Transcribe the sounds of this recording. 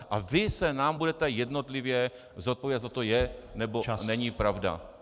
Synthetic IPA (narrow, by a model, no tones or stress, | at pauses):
ʔavɪsɛnaːmbudɛt̪ɛjɛdno̞t̪lɪvjɛ | zot̪̚poviːdat̪zat̪ojɛnɛbonɛɲipɾavda̰